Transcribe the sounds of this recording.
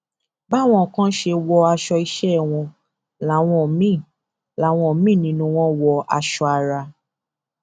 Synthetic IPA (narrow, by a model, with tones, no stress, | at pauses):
ba˦˨w̃ɔ̃˧˨kã˦ʃe˧wɔ˧a˧ʃɔ˧i˧ʃɛ˦˨w̃ɔ̃˧ | la˨˦˨w̃ɔ̃˧˨mĩ˦˨ | la˨˦˨w̃ɔ̃˧˨mĩ˦˨nĩ˧nũ˧˦w̃ɔ̃˦wɔ˧a˧ʃɔ˧a˧ɾa˧